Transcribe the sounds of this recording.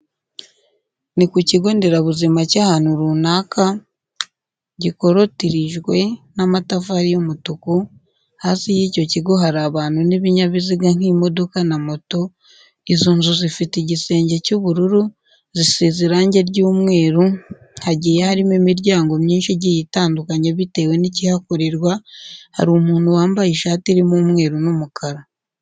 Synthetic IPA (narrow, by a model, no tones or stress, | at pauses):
nikuciɡo̞ːndeɾaβuzimacahan̥uɾuːnaka | ɟiko̞ɾo̞tiɾiʒɡwe̞namatafaɾijomutuku | haːsijiːco̞ciɡo̞ɦaɾaβaːn̥uniβiɲaβiziɡaŋ̥himo̞do̞kanamo̞to̞ | izuːnzuzifitiɟise̞ːɲɟe̞cuβuɾuɾu | zisiziɾaːɲɟe̞ɾɟuːmŋe̞ːɾu | haɟiːjehaɾimimiɾɟaːŋɡo̞mɲiːnʃiɟijitaːndukaɲeβite̞ːwe̞nicihakoɾiɾɡwaha̰ɾumuːnhuwaːmbajiʃaːtiɾimumŋe̞ːɾunumukʰaɾa